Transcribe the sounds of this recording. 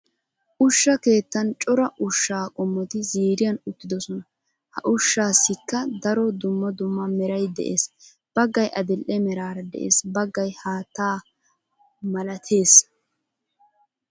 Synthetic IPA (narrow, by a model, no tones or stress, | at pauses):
ʔʊʃːɐke̞ːt̪ːɐnt͡ʃʼɔɾɐʔʊʃːaːkʼɔmːɔt̪ɪziːɾɪjɐnʊt̪ːɪd̪ɔsɔnɐ | hɐ̰ʔʊʃːaːsɪkːɐd̪ɐɾɔd̪ʊmːɔd̪ʊmːɐmɛɾɐjd̪ɛ̰ʔeːs | b̥ɐɡːɐjʔɐd̪ɪlʔːɛmɛɾaːɾɐd̪ɛ̰ʔḛːsbɐɡːɐjhaːt̪ːaː | mɐlɐt̪ʰe̞ːs